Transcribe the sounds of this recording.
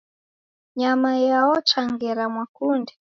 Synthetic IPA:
ɲamajaɔt͡ʃaŋɡɛɾamwakundɛ

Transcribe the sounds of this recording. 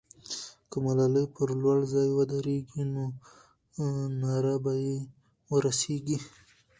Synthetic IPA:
kəmalaləjpəɾlwaɽzɑjwad̪aɾeɡino | naɾabaje | wəɾaseɡi

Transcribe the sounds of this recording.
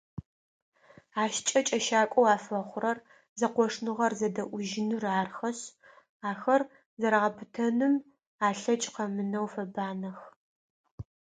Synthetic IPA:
aːʃt͡ʃʼɐt͡ʃʼɐʃaːkʷʼɔwaːfɐχʷʊrɐr | zɐqʷɔʂnɨʁɐrzɐdɐʔʷʊʒɪnɨraːrxɐɕ | aːxɐr | zɐɾaʁɐpʰɨtʰɐnɨm | aːɬɐt͡ʃʼqɐmɨnɐwfɐbaːnɐx

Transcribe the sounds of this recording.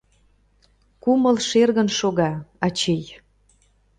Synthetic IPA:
kuməlʃerɣənʃoɣɑɑt͡ɕej

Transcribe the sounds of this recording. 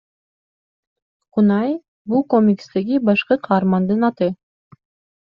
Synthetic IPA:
qunɑj | bulˠkomʲikst̪eɡibɑʃqɯqʰɑːɾmɑnd̪ɯnɑt̪ɯ

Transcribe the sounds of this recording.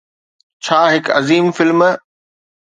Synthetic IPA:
t͡ɕʰaːɦɪkɐ̰ziːmfɪlm

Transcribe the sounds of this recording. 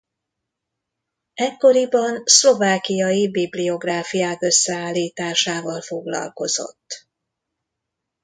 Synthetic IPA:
ɛkːo̞ɾibɒnslo̞vaːkijɒjibiblio̞ɡraːfijaːkø̞sːɛaːlːiːt̪aːʃaːvɒlfo̞ɡlɒ̰lko̞zo̞̰t̪ː

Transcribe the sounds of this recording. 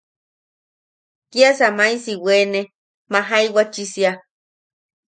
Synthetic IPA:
kiasamajsiweːne | maɦajwat͡ʃisia

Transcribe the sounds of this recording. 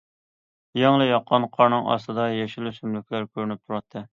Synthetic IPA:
jɑŋlˠɨjɑqʰːɑnqʰɑɾnɨŋɑ̰st̪ɨd̪ɑjɛʃilysymlykʲlæɾkʲʰøɾnyp̚t̪ʰuɾɑt̪ʰːɨ

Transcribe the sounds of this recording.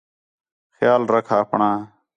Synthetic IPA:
xjaːlɾəkʰaːpɳãː

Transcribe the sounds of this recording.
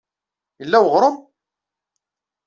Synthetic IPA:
jəlːæwəʁɾˤəm

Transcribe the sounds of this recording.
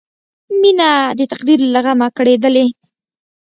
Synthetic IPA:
minad̪ət̪aqd̪iɾlaɣamakɽed̪əle

